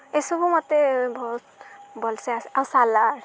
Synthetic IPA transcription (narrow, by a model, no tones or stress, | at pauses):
esubʊmɔtebɔɦutbɔlseasawsalaɹ